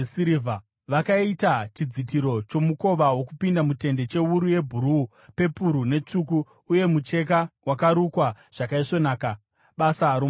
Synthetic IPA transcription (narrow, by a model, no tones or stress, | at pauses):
siɾiva | ʋakaitat͡ʃid͡zit̬iɾo̞t͡ʃo̞muko̞ʋawo̞kupindamute̞nde̞t͡ʃe̞uɾuje̞bʱuɾu | pe̞puɾune̞t͡ʂuk̬uː | je̞mut͡ʃe̞k̬awakaɾukwa | ʐ̥akaiʂo̞naːka | ɓasaɾo